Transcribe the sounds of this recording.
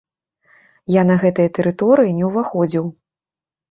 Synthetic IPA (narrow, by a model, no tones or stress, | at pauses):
janɐɣɛt̪ɨjɐt̪ɛɾɨt̪ɔɾɨjinʲɛwvaxɔd͡zʲiw